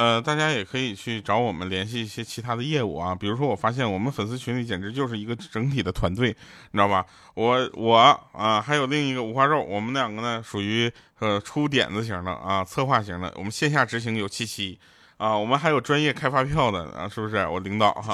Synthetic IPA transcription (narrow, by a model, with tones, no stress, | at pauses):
ə˧t̪a˥˩t͡ɕja˥jɛ˨˩kʰɤ˧˥i˨˩t͡ɕʰy˥˩ʈ͡ʂɑ˧˥ʊwɔ˨˩mə˦nljɛ˧˥nɕ̬i˥˧i˥˩ɕjɛ˥t͡ɕʰi˧˥t̪ʰa˥d̪ə˧jɛ˥˧ṵ˥˩ɐ˧˩pi˨˩ɻu˧˥ʂ̬wɔ˥wɔ˨˩fa˥ɕ̬jɛ˥˩nwɔ˨˩mə˦nfə˨˩ns̬ɹ̩˥˧t͡ɕʰy˧˥nli˧˩t͡ɕjɛ˨˩nʈ͡ʂɻ̩˧˥t͡ɕjo˥˧ʊʂɻ̩˥˩i˧˥ɡə˧ʈ͡ʂɤ˧˥ŋt̪ʰi˨˩d̪ə˦t̪ʰwa˧˥nt̪̬we˥˩ɪɻɑ˥˩bɐ˩ | wɔ˧˩˦wʔɔ˨˩˦ə˧xa˧˥ɪjo˨˩ʊli˥˩ŋi˧˥ɡə˧u˧˥xwa˥˧ɻo˥˩ʊwɔ˨˩mə˦na˥˧jɑ˥˩ŋɡə˩nə˩ʂu˨˩y˧˥ | ə˧ʈ͡ʂʰu˥t̪̬jɛ̰˨˩nd͡zə˧ɕ̬ji˧˥ŋd̪ə̰˧ə̰˧t͡sʰɤ˥˧xwa˥˩ɕ̬i˧˥d̪ə̰˧wʔɔ̰˨˩mə˦nɕjɛ˥˧nɕ̬ja˥˩ʈ͡ʂɻ̩˧˥ɕ̬i˧˥ŋjo˨˩ʊt͡ɕʰi˧˥t͡ɕʰi˧˥ | ə˧wɔ˨˩mə˦nxa˧˥ɪjo˨˩ʊʈ͡ʂwa˥njɛ˥˧kʰa˥ɪfa˥pʰjɑ˥˩ʊd̪ə̰˩˧ʂɻ̩˥˩bʂɻ̩˥˩wɔ̰˨˩li˧˥ŋt̪ɑ˨˩˦ʊ˧